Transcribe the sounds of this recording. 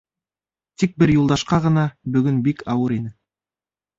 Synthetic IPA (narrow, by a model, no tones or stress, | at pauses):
t̪ik̚bɘɾjulˠd̪ɑʃqɑʁɤ̆nɑbɵ̆ɡɵnbikʰɑwɤɾinɘ